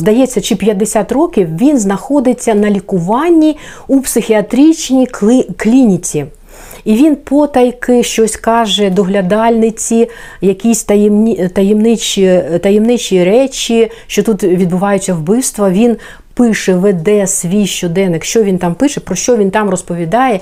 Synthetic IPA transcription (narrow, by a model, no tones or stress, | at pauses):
zd̪ɐjɛt͡sʲːɐt͡ʃɪpʲjɐd̪ːesʲat̪rɔkʲiwʋʲinznɐxɔd̪ɪt͡sʲːɐnɐlʲikʊʋɑnʲːi | upsɪxʲiɐt̪ɾʲit͡ʃnʲiklʲinʲit͡sʲi | iʋʲinpɔt̪ɐjkɪʃt͡ʃɔsʲkɑʒɛd̪ɔɦlʲɐd̪ɑlʲnɪt͡sʲi | jɐkʲisʲt̪ɐjmnʲit̪ɐjemnɪt͡ʃʲit̪ɐjemnɪt͡ʃiɾɛt͡ʃʲi | ʃt͡ʃɔt̪ut̪ʋʲid̪bʊʋɑjʊt͡sʲːɐwbɪwst̪ʋɐʋʲin | pɪʃɛʋɛd̪ɛsʋʲijʃt͡ʃɔd̪ɛnɪkʃt͡ʃɔʋʲint̪ɑmpɪʃɛpɾɔʃt͡ʃɔʋʲint̪ɑmrɔspɔʋʲid̪ɑjɛ